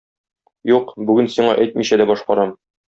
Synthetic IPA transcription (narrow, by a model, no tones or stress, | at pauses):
juqbʉɡɘnsiɴɑʔæjt̪miɕæd̪æbɒʃqɒɾɑm